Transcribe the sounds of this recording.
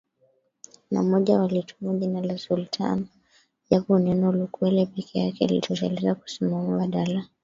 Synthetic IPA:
na̰mɔʄawalitumuʄinalasultʰa̰nɔ | ʄakunɛnɔlukwɛlɛpɛkʰɛjakɛa̰lḭtɔta̰lizaku̥simamuwaɗala

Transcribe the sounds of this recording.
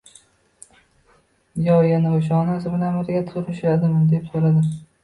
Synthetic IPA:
jɒjanɨʊʃ̬ɒnas̬ɪbʊnamɪɾɡʲat̪ʰʊɾɪʃad̪ɪmɪd̪epsoɾad̪ɪ

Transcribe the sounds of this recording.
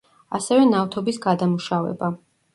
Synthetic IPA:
asɛvɛnaft̪ʰɔbisɡad̪amuʃavɛ̰ba

